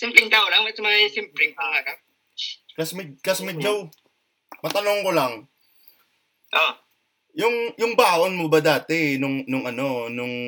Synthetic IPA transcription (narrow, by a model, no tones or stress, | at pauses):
sɛmpɾɪŋt̪aolaŋmɛsmɐɐsɛmpɾɛŋaʔaːɾap̚ | kɐsmɪd̪̚kɐsmɪd̪̚d͡ʒow | mɐt̪ɐnoŋkolɐŋ | ʔo | jʊŋjʊŋbaːʔonmobɐd̪aːt̪ɛnʊŋnʊŋʔɐno̞nʊŋ